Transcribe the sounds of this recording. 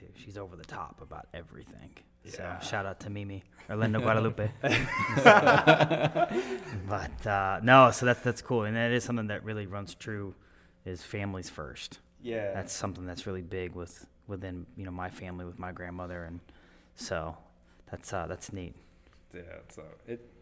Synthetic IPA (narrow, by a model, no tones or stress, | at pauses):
tʉʃizoʊvə˞ðɨtʰɑ̰pəba̰ʊɾɛvɹḭθɪ̰̃ŋ | soʊʃaʊɾʌp̚tʰɨmimi | ə˞lɛ̃noʊɡwaɾəlʉpɨ | b̥ʌtʰʌnoʊsoʊðætsðætskʰulˠɨ̃nðɨ̃nɨɾɨz̥sʌ̃mθɪ̃ŋðɨʔ̚ɹɪlˠiɹʌ̃nz̥tʰɹ̥ʉ | ɪz̥fæ̃mliz̥fɜ̰˞st | jæðætsʌ̃mθɪ̃ŋðætsɹɪlˠibɪɡwɪð̥ | wəθɪ̃njɨnoʊmaɪfæ̃mliwəðmaɪɡɹæ̃nmʌðə˞ɨ̃n | soʊ | ðætsʌðætsnit̚ | æ̰soʊɪt̚